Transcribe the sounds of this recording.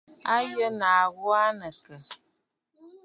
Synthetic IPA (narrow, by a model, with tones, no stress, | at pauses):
a˦jə˦na˨ɣɔ˦a˦nə˨kə˨